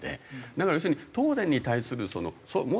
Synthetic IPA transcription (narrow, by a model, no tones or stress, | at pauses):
d̪ḛd̪akaɾajoɕ̬io̟ːit̪o̞ːd̪ẽ̞ɲ̟ːit̪aisɨɾɯ̟so̞no̞̰somo